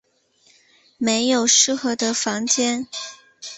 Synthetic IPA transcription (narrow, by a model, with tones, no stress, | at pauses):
me˧˥ɪjo˨˩ʊʂɻ̩˥˩xɤ˧˥d̪ə˧fɑ˧˥ŋt͡ɕjɛ˥n